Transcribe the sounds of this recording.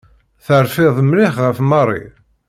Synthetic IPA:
θəɾfɪðˤmlɪχʁəfmɑrˤːḭ

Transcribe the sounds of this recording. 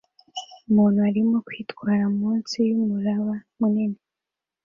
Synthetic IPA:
umuːnhuaɾimo̞kwiːtɡwaːɾaumuːnsijumuɾaβamunine

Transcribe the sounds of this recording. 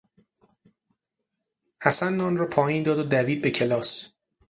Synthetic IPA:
hæsænːɒːnrɒːpʰɒːjiːnd̪ɒːd̪od̪æviːd̪̚be̞cʰe̞lɒːs

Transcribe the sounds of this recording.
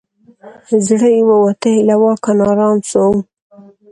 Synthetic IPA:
zɽəjwawat̪alawɑkanɑɾɑnsow

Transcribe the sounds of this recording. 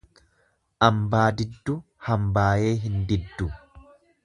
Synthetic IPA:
ʔɐmbaːd̪ɪd̪ːʊ | hɐmbaːje̞ːɦɪnd̪ɪd̪ːʊ

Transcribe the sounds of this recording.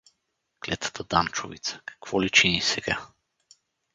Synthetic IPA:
klɛt̪ə̥t̪əd̪ant͡ʃo̰vḭt̪sə̥kḁkv̥ɔlit͡ʃinisɛɡa

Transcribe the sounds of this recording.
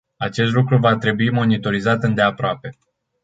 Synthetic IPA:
at͡ʃe̞s̬t̪lukɾuvat̪ɾe̞buimo̞nit̪o̞ɾizat̪ɨnd̪e̞apɾoape̞

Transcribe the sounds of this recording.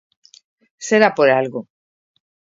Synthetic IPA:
seɾapoɾalɣo

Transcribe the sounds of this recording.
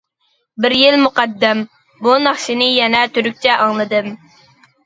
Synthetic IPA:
bɪɾjilmuqɑd̪ːɛm | bunɑχʃinɨjɛnɛt̪ʰyɾyk̚ʲt͡ʃʰɛʔɑŋlˠɨd̪ɨm

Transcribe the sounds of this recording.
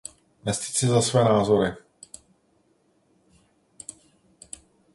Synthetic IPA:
mɛsti̥sɛzasvɛɛnaːzɔɾɪ

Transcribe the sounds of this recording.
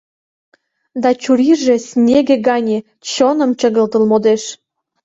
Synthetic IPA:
d̪ɑt͡ɕuɾiʒĕsʲnʲeɡĕɡɑnʲe | t͡ɕonə̆mt͡ɕə̆ɣə̆lt̪ə̆lmod̪eʃ

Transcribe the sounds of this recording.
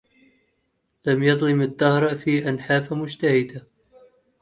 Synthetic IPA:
lamjɑðˤlɪmad̪ːahɾˤfiːʔanħaːfamʊd͡ʒt̪ahɪd̪a

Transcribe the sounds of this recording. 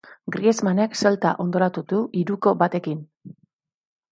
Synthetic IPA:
ɡɾiezmane̞kselt̪a̰ʔo̞nd̪o̞ɾat̪uðuʔiɾuko̞bat̪e̞kin

